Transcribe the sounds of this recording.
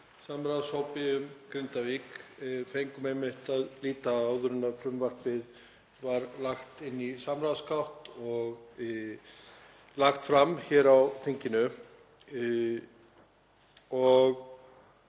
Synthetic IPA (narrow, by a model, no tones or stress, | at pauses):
samɾaðshowpɪʏmkɾɪnt̪avikfejŋkʏmejmɪht̪aðliːt̪aaːwðʏɾʏnːafɾʏmvar̥pɪð | vaɾlaxt̪ɪnːisamɾawðskawht̪ɔɣ | laxt̪fɾamçɛːɾawθiɲcɪnʏ | ɔɣ